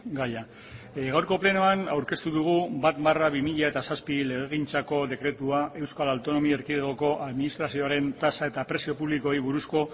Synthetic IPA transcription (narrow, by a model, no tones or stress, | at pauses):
ɡaʎa | ɣawɾko̞ple̞noanawɾke̞st̪uðuɣ̞ubat̪baraβimiʎae̞t̪asaspile̞ɣ̞eɣ̞int͡sako̞ðe̞kɾe̞t̪uaʔe̞wskalawt̪o̞no̞mieɾkiðeɣoko̞ʔaðminist̪ɾasio̞aɾe̞nt̪asae̞t̪apɾe̞sio̞puβliko̞iβuɾusko̞